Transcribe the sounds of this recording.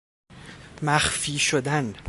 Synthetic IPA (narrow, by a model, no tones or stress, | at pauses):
mæχfiːʃʊd̪æn